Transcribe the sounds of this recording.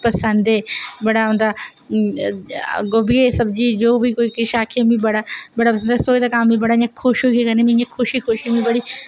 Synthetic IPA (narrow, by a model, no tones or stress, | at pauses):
pɐsə̃nd̪ebɐɽaɦũːnd̪a | ɡoːbiesɐbd͡ʑid͡ʑoːbikoːikiʃaːkʰiemĩbɐɽabɐɽapɐsə̃nd̪soːjt̪ɐkãːmbĩbɐɽaɪɲãkʰoʃokekɐnemĩẽkʰʊʃixoʃimĩbɐɽi